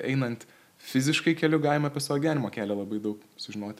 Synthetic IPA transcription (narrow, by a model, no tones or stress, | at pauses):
ɛɪnɐnt̪ | fʲɪzʲɪʃkɐɪkʲɛlʲʊɡɑɪmɐpʲeɛsɐʋoːɡʲɪʋʲæːnʲɪmoːkʲæːlʲɛlˠɐbɐɪd̪ɐʊksʊʒʲɪnoːt̪ʲ